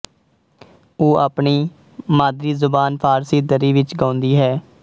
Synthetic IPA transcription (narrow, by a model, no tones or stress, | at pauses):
oːʔaːpɳiː | maːd̪ɾiːzʊbaːnpʰaːɾsiːd̪əɾiːʋɪt͡ʃɡãːnd̪iːɦɛː